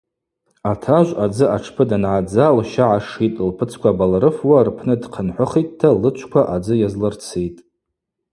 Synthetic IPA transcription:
atʰaʒʷad͡zɨʔaʈ͡ʂʰpʰɨdanʕad͡zalʃaʕaʂitʼlpʰɨt͡sʰkʷabalɾɨfwarpʰnɨdqʰənħʷʊχitʼtʰːalɨt͡ʃʷʰkʷaʔad͡zɨjazlɨrt͡sʰejtʼ

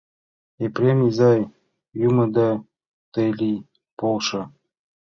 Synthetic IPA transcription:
epɾʲemizɑj | jumɤ̆d̪ɑ | t̪elʲi | polʃɤ̆

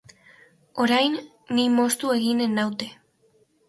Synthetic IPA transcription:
o̞ɾajnː | imo̞st̪ue̞ɣine̞nawt̪e

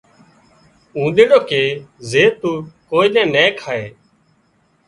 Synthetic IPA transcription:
ũːɗ̪eːɽoːkeːzeːt̪uːkoːiːɗɛ̃ːnɛ̃ːkʰaːḛː

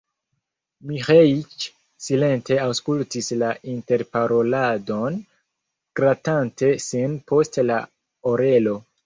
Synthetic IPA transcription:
mihait͡ʃ | sile̞nte̞awskultislaʔinte̞ɾpaɾo̞lado̞n | ɡ̥ɾatante̞sinpʰo̞stla̰ | oɾe̞lo̞

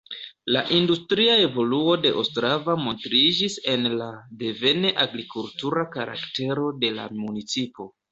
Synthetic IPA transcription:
laʔindustɾiae̞vo̞luo̞de̞ʔostɾavamo̞ntɾid͡ʒise̞nlade̞ve̞ne̞ʔaɡɾikultuɾakaɾa̰kte̞ɾo̞de̞la̰munit͡sipo̞

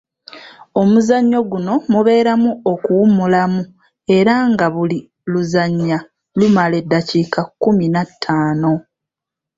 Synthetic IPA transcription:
o̞muzaɲːo̞ɡuno̞muβe̞ːɾamuokuwumulamu | e̞ɾaŋɡaβuli | luzaɲːa | lumale̞dːacikakːuminatʰːaːno̞

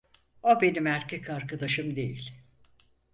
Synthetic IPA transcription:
obe̞nimæɾcʰʲɛkaɾkad̪aʃɯmd̪ejilʲ

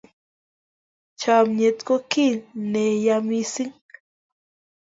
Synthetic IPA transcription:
t͡ʃamɲet̪kokinejamisiŋ

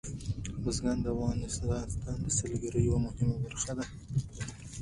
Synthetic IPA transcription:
ʊzɡɑnd̪əafɣɑnɪst̪ɑst̪ɑnd̪əsəlɡaɾəjawamʊhɪmabaɾxad̪a

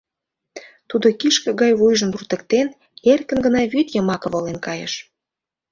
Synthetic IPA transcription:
t̪ud̪okiʃkə̆ɡɑjvujʒə̆murt̪ə̆kt̪en | erkə̆nɡə̆nɑβyt̪jəmɑkə̆βolenkɑjə̰ʃ

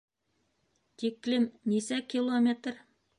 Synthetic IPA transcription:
t̪ʰikʲːlɪmnesækʲʰilˠomʲet̪r

